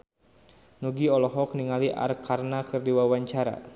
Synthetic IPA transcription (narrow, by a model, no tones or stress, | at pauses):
nuɡiɔlɔɦɔkniŋaliʔa̰rkarnakɨrdiwawaɲt͡ʃaɾa̰